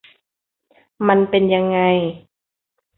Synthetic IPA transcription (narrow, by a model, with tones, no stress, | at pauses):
ma˧npe˧nja˧ŋːa˧j